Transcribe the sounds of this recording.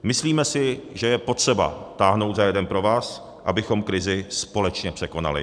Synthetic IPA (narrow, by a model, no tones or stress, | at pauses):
mɪsliːmɛsɪʒɛjɛpo̞t̪r̝̥ɛba̰t̪aːɦno̞wt̪zajɛdɛnpɾo̞vaːs | ʔabɪxo̞mkɾɪzɪspo̞lɛt͡ʃɲɛpr̝̥ɛko̞na̰lɪ̰